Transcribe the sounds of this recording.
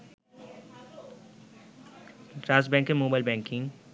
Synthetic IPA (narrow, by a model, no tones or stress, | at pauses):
ʈɾaːs̬bɛ̃ŋkẽmoːbaːɪlbɛ̃ːŋkɪ̃ŋ